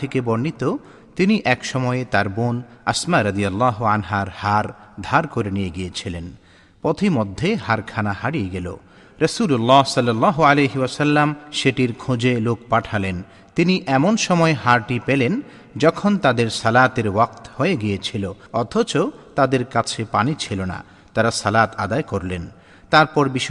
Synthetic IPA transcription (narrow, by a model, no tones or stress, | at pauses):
ekebɔɾnit̪o | t̪iniʔɛkʃɔmɔeet̪aɾbona̰smaɾɐd̪ijalːaɦoanɦaɾhaɾd̪ʱaɾkoɾenijeɡijet͡ɕʰilen | pot̪ʰimod̪ʱːeɦaɾkʰanahaɽijeɡelo̰ | ɾesulolːasʌlːalːaɦoalejɦiasɐlːamʃeʈiɾkʰud͡ʑelokpaʈʰalen | t̪iniʔɛmonʃɔmɔeɦaɾʈipelen | d͡ʑɔkʰont̪ad̪eɾsɐlat̪eɾwak̚t̪hoeɡijet͡ɕʰiloɔt̪ʰot͡ɕot̪ad̪eɾkat͡ɕʰepanit͡ɕʰilona̰ | t̪aɾasɐlat̪ad̪aekoɾlen | t̪aɾpɔɾbiʃ